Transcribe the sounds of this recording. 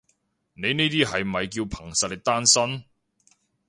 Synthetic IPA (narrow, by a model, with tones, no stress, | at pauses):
ne˨˧jniː˥t̪iː˥ɦɐ˨jm̩˨˩hɐ˨jkiː˧wpʰɐ˨˩ŋsɐ˨t̚lɪ˨˩t̪aː˥nsɐ˥n